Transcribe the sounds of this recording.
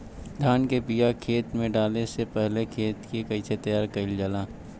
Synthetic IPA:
d̪ʱaːnkebijakʰeːt̪mẽɖaːlesepɛɦlekʰeːt̪kikɐit͡ʃʰet̪ɐjaːɾkɐɪld͡ʒalaː

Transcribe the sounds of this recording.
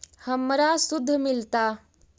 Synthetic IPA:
həmɾasud̪ʱːəmilt̪a

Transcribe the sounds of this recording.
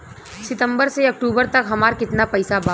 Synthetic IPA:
sɪt̪ə̃mbəɾseɐk̚ʈuːbəɾt̪ɐkɦɐmaːɾkɪt̪napɐɪsabaː

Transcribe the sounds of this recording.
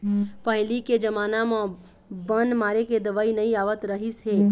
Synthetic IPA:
pəɦliked͡ʒəmaːnamã | bənmaːɾeked̪əʋaːinɐĩaːʋət̪ɾəɦisɦeː

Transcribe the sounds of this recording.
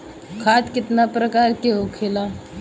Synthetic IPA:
kʰaːt̪kɪt̪napɾəkaːɾkeɦokʰeːla

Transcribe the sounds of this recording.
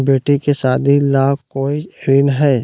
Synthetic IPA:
beːʈikesaːd̪ʱilaːkoːiɾɪnɦɛː

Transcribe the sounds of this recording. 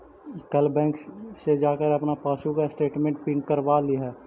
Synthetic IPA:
kɐlbɛ̃ːŋkssed͡ʒaːkəɾɐpnapaːʃukasʈeːʈmẽɳʈ̚piːɳʈkəɾʋaliɦɛː

